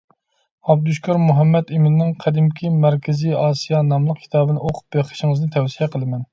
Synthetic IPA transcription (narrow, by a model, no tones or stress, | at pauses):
ɑb̚d̪uʃkʰʲɑɾmuɦɛmːɛt̪imɪnnːɪŋqʰæd̪ɪmkʲʰimæɾkʲɪziɑːsijɑnɑmlˠəq̚kʰʲi̥t̪ʰɑːbɨnɨoqʰʊ̥p̚beχə̥ʃɪŋɨznɨt̪ʰɛwsijɛqʰəlˠɨmɛn